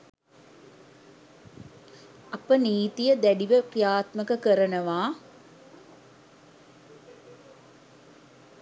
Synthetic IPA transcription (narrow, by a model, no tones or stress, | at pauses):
ɐpəniːt̪ijəd̪æɖiʋəkrijaːt̪məkəkəɾənəʋaː